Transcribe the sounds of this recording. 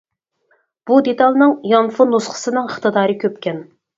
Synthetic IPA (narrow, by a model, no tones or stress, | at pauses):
b̥ud̪et̪ɑlˠnɨŋjɑnfonlˠosqχʰə̥sɨnɨŋəχt̪ɨd̪ɑːɾɨkʲʰøpkʲɛn